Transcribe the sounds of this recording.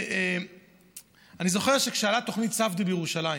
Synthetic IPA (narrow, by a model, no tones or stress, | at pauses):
e | anizo̞χe̞ʁ̞ʃe̞kʃealat̪o̞χnitt͡savdibejeʁuʃalai